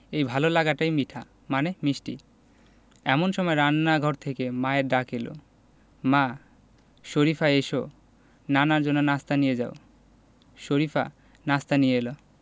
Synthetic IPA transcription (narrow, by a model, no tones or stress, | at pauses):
ejbʱalolaɡaʈajmiʈʰa | manemiʃʈḭ | ɛ̰monʃɔmɔeɾanːaɡʱɔɾt̪ʰekemaeɾɖakʰelo̰ | ma | ʃoɾifaeʃo | nanaɾd͡ʑonːonast̪anijed͡ʑao | ʃoɾifʰa̰ | nast̪anijeelo